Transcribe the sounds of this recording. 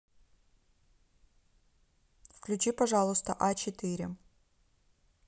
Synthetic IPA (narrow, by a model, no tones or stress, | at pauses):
fklʲʉt͡ɕipɐʐalˠʊst̪əʔat͡ɕɪt̪ɨɾʲɪ